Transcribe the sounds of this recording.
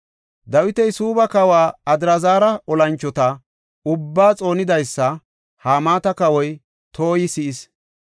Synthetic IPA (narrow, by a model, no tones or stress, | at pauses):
d̪ɐwɪt̪ɛjsuːbɐkɐwaːɐd̪ɪɾɐzaːɾɐʔɔlɐnt͡ʃːɔt̪ɐ | ʊbːaːt͡sʼo̞ːnɪd̪ɐjsːɐ | haːmaːt̪ɐkɐwɔj | t̪ʰo̞ːjɪsɪʔɪs